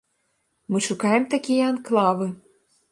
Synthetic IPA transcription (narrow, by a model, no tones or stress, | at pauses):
mɨʃukɑjemt̪ɑkʲijɛɑnklˠɑβɨ